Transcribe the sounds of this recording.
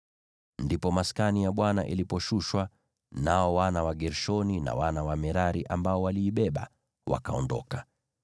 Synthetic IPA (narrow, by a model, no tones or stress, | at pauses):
ndipɔmaskanijaɓwana̰ʔḭlipɔʃuʃwa | naɔwanawaɡɛɾʃɔnina̰wanawamɛɾaɾiʔambaɔwaliːɓɛɓa̰ | wa̰kaɔndɔ̰ka